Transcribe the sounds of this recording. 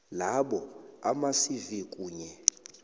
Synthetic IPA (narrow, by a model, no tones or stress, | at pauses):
laɓɔamasivikʼuːɲɛ